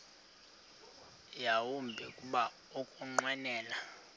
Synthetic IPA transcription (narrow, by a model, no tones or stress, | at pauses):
jawumbʱɛkʼuɓa | okʼuŋ͡ǃwɛnɛːla